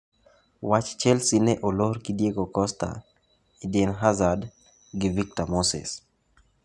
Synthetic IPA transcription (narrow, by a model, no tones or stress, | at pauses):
wat͡ʃt͡ʃɛlsinɛʔoloɾkidjeɡokɔst̪a̰ | idɪnɦazad | ɡɪvik̚tɔmosɪ̰s